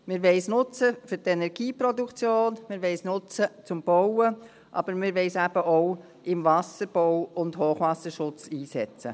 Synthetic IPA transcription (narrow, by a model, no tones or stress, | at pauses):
mɪɾʋɛɪsnʊt͡səfʏɾtɛnɛɾɡiːpɾɔdukt͡sjoːnmɪɾʋɛɪsnʊt͡sət͡sʊmb̥ɔwə | ʔɑ̰b̥əɾmɪɾʋɛɪsæb̥əʔoʊ | ʔɪmvɑsəɾb̥ɔʊwʊndhoːχʋɑsəʃʊt͡siːsɛt͡sə̰